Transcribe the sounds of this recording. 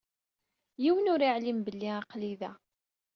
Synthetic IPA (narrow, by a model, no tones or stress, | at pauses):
jiwənʊɾiʕlimbəlːiaqliðæ